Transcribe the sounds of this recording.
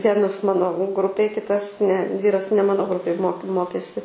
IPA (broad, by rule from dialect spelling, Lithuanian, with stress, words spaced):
ˈʋʲiɛnɐs ˈmɑːnoː ˈɡrʊpʲeːj ˈkʲɪtɐs nʲɛ ˈʋʲiːrɐs nʲɛ ˈmɑːnoː ˈɡrʊpʲeːj moːk ˈmoːkʲeːsʲɪ